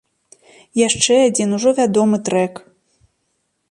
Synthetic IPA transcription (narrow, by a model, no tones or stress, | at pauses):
jaʂt͡ʂɛad͡zʲinuʐɔvʲad̪ɔmɨt̪ɾɛk